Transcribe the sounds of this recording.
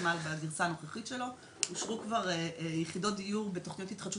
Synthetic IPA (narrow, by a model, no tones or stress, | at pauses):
malbaɡiʁsaːnoχaχitʃe̞lo̞ | uʃʁukvaʁejeχido̞t̚d̪ijuʁbe̞to̞χnijotitχad̪ʃu